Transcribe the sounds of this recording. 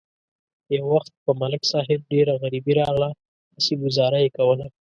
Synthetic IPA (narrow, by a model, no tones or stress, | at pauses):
jawːaxt̪̚pəmalksɑɦɪb̚ɖeɾaɣaɾibiɾɑɣla | asiɡʊzɑɾajekawəla